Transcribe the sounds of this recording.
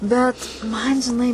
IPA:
ˈbʲɛt ˈmɐn ʒʲɪˈnɐɪ

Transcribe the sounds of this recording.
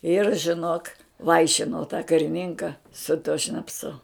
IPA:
ɪr ʒʲɪˈnoːk ˈʋɐɪʃʲɪnoː tɑː kɐrʲɪˈnʲɪŋkɐ sʊ tuɔ ʃnɐpˈsʊ

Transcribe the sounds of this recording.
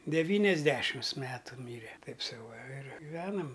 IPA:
dʲɛˈʋʲiːnʲɛzʲˌdʲæːʃʲɪms ˈmʲæːtʊ ˈmʲiːrʲɛ ˈtɐɪp ˈsɐʊ ʋɐ ɪr ɡʲɪˈʋʲæːnɐm

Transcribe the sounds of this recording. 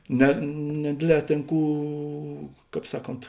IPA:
nʲɛ nʲɛˈdʲeːdʲˌlʲɛː ˈtʲeːn ˈkuː ˈkɑːp ˈsɑːˌkoːnt

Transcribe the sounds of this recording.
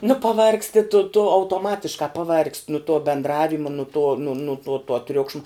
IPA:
nʊ pɐˈʋɐrksʲtʲɪ tʊ tʊ ɐʊtoːˈmɑːtʲɪʃkɑː pɐˈʋɐrksʲtʲ nʊ tuɔ bʲɛndˈrɑːʋʲɪmɐ nʊ tuɔ nʊ nʊ nuɔ tuɔ ˈtʲrʲʊkʃmɐ

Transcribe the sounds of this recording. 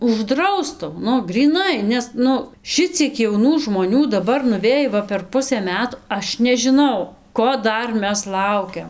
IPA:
ʊʒˈdrɐʊstʊ ˈnʊ ɡrʲiːˈnɐɪ nʲɛs ˈnʊ ˈʃʲɪt͡sʲiɛk jɛʊˈnuː ʒmoːˈnʲuː dɐˈbɐr nʊˈʋʲeːj ˈʋɐ pʲɛr ˈpʊsɘ ˈmʲæːtʊ ˈɐʃ nʲɛʒʲɪˈnɐʊ ˈkoː ˈdɐr ˈmʲɛs ˈlˠɐʊkʲɛm

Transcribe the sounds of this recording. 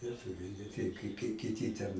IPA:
lʲiɛˈtʊʋʲɛɪ nʲɛ ˈtʲɛɪ kɐɪ kɐɪ kʲɪˈtʲiː tʲɛn

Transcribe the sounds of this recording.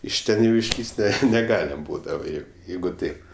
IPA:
ɪʃ ˈtʲɛn jɛʊ ɪʃʲˈlʲiːsʲtʲ ˈnʲɛ nʲɛˈɡɑːlʲɛm ˈbuːdɐʋɐ jɛʊ ˈjɛɪɡʊ ˈtɐɪp

